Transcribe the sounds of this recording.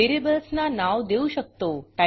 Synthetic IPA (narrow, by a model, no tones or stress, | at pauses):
eɾebəlsnanaʋd̪eũʃək̚t̪oʈa